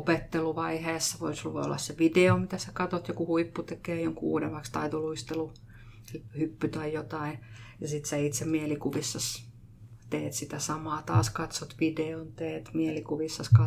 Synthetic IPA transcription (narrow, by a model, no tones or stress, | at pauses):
opet̪ːeluʋɑiheːsːɑʋoisluʋḛo̰lːɑ̰sseʋideomit̪æsækɑt̪ot̪jokuhuipːut̪ekeːjoŋkṵːdemɑkst̪ɑit̪oluist̪elu | elhypːyt̪ɑijot̪ɑijɑsit̪sæit̪semielikuʋisːɑs | t̪eːt̪sit̪æsɑmɑːt̪ɑ̰ːskɑt̪sot̪ʋideont̪eːt̪mielikuʋisːɑskɑ